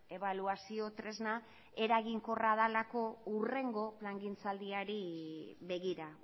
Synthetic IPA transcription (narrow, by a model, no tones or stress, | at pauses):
e̞β̞aluasio̞t̪ɾe̞zna | e̞ɾaɣiŋko̞raðalako̞ure̞ŋɡo̞plaŋɡint͡sald̪iaɾiβe̞ɣiɾa